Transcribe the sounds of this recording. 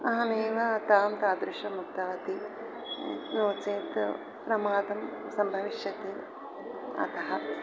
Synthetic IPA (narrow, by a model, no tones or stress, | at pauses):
ɐɦɐneːʋɐːt̪aːmt̪aːd̪ɾuʃɐmuk̚t̪ɐʋɐt̪i | noːt͡seːt̪ | pɾɐmaːd̪ɐm | sɐmbʱɐʋiʃjɐt̪e | ɐ̰t̪ɐɦɐ